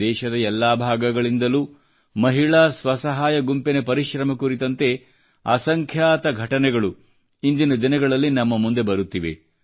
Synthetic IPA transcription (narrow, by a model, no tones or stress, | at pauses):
ɛːʃɐd̪ɐɛlːaːbʱaːɡɐɡɐɭind̪ɐlu | mɐɦiɭaːsʋɐsɐɦaːjɐɡumpene̞pɐɾiʃɾɐmɐkuɾit̪ɐnt̪e̞ | a̰ːsɐŋkʰjaːt̪ɐɡʱɐʈɐnɛɡɐɭu | ind̪inɐd̪inɐɡɐɭɐlːinɐmːɐmund̪e̞bɐɾut̪ːiʋe̞̰